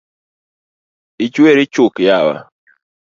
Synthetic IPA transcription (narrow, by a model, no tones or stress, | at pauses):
it͡ʃweɾit͡ʃʊkjawa̰